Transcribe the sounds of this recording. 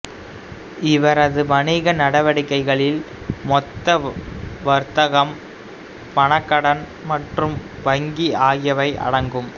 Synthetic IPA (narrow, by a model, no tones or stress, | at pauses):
ɪʋɐɾɐðɯʋɐnɪɣɐnɐɽɐʋɐɽɪkːɐɪɣɐɭɪl | mɔt̪ːɐʋɐɾt̪ɐɣɐm | pɐɳɐkːɐɽɐn | mɐʈrɯmʋɐŋɡiaːɣɪjɐʋɐɪʔɐ̰ɽɐŋɡɯm